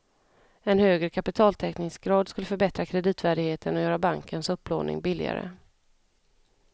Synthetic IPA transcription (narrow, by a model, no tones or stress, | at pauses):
ɛnhøːɡɾəkʰapɪt̪ʰɑːlt̪ʰɛknɪŋsɡɾɑːd̪skɵlːəfœɾbɛt̪ɾakʰɾɛd̪iːt̪væːɖɪɡheːt̪ʰənɔjœːɾabaŋkʰənsɵpːlo̰ːnɪ̰ŋbɪlːɪ̰a̰ɾə̰